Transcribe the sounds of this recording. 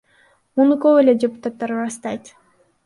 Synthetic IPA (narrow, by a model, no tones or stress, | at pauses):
munukovelʲedʲepu̥t̪at̪ːɑɾɾast̪ɑjt̪